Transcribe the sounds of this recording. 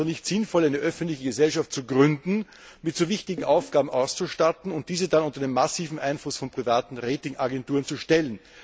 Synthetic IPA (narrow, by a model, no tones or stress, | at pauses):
onɪçtz̥ɪnfɔlæɪnəʔœfən̩tlɪçəɡəzɛlʃaft̚t͡suɡʁʏndn̩ | mɪtz̥ovɪçtɪɡŋ̩ʔaʊfɡ̥aːbm̩ʔaʊst͡suʃtatn̩ʊnt̚d̥iːzədanʊntɐdeːmːasiːvm̩ʔaɪnflʊsfɔnpʁ̥ivaːtn̩ʁeːtɪŋʔaɡɛntuːʁənt͡suʃtɛlən